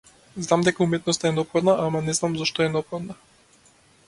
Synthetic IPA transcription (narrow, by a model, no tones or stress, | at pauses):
znamd̪ɛkaumɛt̪nɔst̪aɛnɔpxɔd̪naʔamanɛznamzaʃt̪ɔɛnɔpxɔd̪na